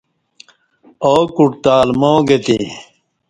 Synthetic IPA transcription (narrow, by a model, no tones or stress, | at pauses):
oːkuʈt̪aːlmoːɡet̪ḭ